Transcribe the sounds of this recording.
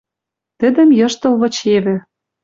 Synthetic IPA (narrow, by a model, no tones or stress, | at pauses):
t̪ɘ̆d̪ɘ̆mjɤ̆ʃt̪ɤ̆lβɤ̆t͡ɕeβɘ̆